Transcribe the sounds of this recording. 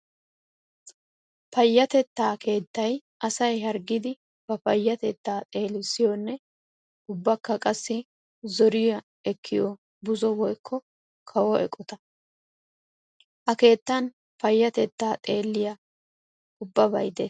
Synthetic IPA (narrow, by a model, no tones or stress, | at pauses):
pɐjːɐt̪ɛt̪ːaːkʰe̞ːt̪ːɐj | ɐsɐjɦɐɾɡɪd̪ɪ | b̥ɐpɐjːɐt̪ɛt̪ːaːt̪ʼe̞ːlɪsːɪjɔnːɛ | ʊbːɐkːɐkʼɐsːɪ | zɔɾɪjɐ | ɛkʰːɪjɔ | bʊzɔwɔjkʰːɔ | kʰɐwɔʔɛ̰kʼːɔt̪ɐ | ʔɐke̞ːt̪ːɐn | pɐjːɐt̪ɛt̪ːaːt̪ʼe̞ːlːɪjɐ | ʊbːɐbɐ̰jd̪e